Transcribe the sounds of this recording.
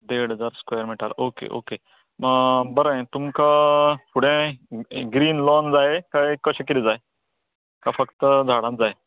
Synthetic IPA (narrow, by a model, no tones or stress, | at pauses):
ɖeɽɦəd͡zaɾskwajəɾmiʈa̰lokḛʔo̰ke | bəɾəẽt̪umkapuɽẽ | ɡɾiːnlɔnd͡zaekakəɕəkit̪id͡zae | kafəkt̪əd͡zʱaɽ̃ãt̪̚d͡zae